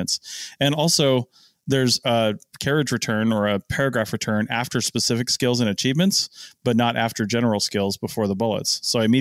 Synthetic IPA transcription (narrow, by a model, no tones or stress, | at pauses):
ntsɨ̃nɔlˠsoʊ | ðə˞zəkʰɛɹɨd͡ʒɹɨtʰɜ̃˞nə˞ɨpʰɛɹɨɡɹæfɹɨtʰɜ̃˞næftə˞spɨsɪfɨkskɪlˠzɨ̃nɨt͡ʃʰivmɨ̃ntsb̥ʌtⁿnəɾʔæftə˞d͡ʒɛnə˞l̩ˠskɪlˠzbəfɔɹðəbʊlˠə̰tsːoʊaɪmi